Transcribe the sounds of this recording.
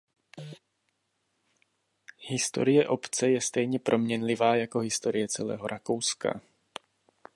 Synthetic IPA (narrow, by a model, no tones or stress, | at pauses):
hɪst̪o̞̰ɾɪjɛʔo̞pt͡sɛjɛst̪ɛjɲɛpɾʔo̞mɲɛnlɪvaːjako̞ɦɪst̪o̞ɾɪjɛt͡sɛlɛ̰ːɦo̞ɾʔako̞wska̰